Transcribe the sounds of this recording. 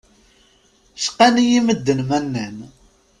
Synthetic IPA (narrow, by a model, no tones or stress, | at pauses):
sqænijiməd̪ːənmænːæn